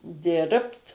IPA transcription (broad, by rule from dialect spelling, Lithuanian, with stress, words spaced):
ˈdʲɪrpt